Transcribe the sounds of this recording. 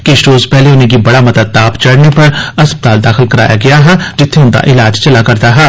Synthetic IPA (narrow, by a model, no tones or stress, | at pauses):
kiɪʃɾoːzpɛɦleʊn̤ẽk̬ibɐɽamɐd̪əd̪̚t̪aːpt͡ʃɐɽnepɐɾɐspət̪aːld̪aːxɪlkɐɾa̰ːja̰ɡɐjaɦɛːd͡ʒɪt̪ʰːeʊnd̪a̰ʔɪlaːd͡ʒt͡ʃɐlakɐɾt̪aɦɛː